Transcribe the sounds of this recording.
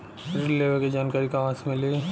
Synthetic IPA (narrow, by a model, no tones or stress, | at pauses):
ɐɾleːʋked͡ʒaːnkaːɾikaɦãːsmɪle